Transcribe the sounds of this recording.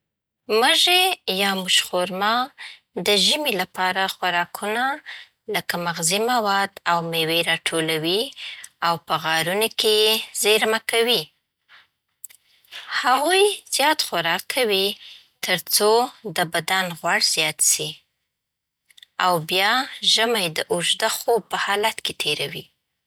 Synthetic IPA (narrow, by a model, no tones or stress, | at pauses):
məʒejɑmʊʃxoɾmɑ | d̪əʒəmilapɑɾaxwaɾɑkʰuna | ləkamaɣzimawɑd̪awmeweɾɑʈʰolawiawpəɣɑɾunokejezeɾmakawi | haɣujz̥jɑt̪xaɾɑkʰːawi | t̪əɾt͡sod̪əbad̪anɣwaɽz̥jɑt̪si | awbjɑʒəmajd̪əʔʊʒd̪axob̚pəhɑlat̪ket̪ʰeɾawi